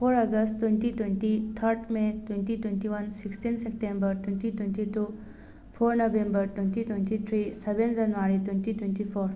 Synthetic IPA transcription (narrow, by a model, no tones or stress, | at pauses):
fʰoɾəɡəsʈt̪unt̪it̪went̪it̪ʰəɾʈmet̪went̪it̪went̪iʋənsiksʈinsep̚ʈẽmbəɾt̪unt̪it̪unt̪it̪u | fʰoɾnəʋembəɾt̪unt̪it̪went̪it̪ʰɾiseʋend͡ʑɐnʋaɾit̪wunt̪it̪went̪ifoɾ